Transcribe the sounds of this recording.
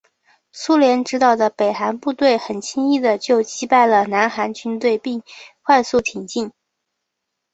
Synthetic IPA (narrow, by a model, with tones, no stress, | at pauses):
su˥ljɛ˧˥nʈ͡ʂɻ̩˧˥t̪ɑ˨˩ʊd̪ə˦pe˨˩ɪxa˧˥npu˥˧t̪we˥˩ɪxə˨˩nt͡ɕʰi˥ŋi˥˩d̪ə˩t͡ɕjo˥˩ʊt͡ɕi˥pa˥˩ɪlə˩na˧˥nxa˧˥nt͡ɕʰy˧˥nt̪we˥˧ɪpi˥˧ŋxʰwa˥˧ɪsu˥˩t̪ʰi˨˩ŋt͡ɕi˥˩ŋ